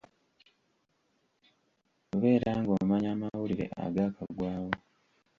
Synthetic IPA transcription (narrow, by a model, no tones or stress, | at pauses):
uβe̞ːɾaːŋɡomaɲaːmawuliɾe̞̰ʔa̰ɡakaɡwaːwo